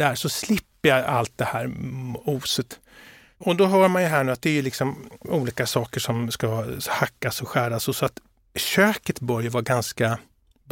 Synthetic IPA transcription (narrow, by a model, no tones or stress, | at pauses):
æːʂɔslɪpːəjaa̰lt̪̚d̪ɛhæːɾuːsət̪ | ɔd̪ɔɦœːɾmanjɵɦæːɳʉːat̪̚d̪ɛæjɵlɪksɔmuːliːkasɑːkəʂɔmskahakːasɔɧæːɖasɔsɔat̪ | ɕøːkət̪bœɾjəvɑːɡanska